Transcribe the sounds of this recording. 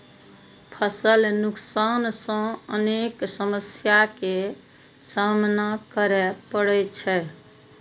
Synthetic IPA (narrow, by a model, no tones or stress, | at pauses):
pʰəsəlnuksansə̃əneksəməsjake | samnakəɾɛpəɽɛt͡ʃʰɛ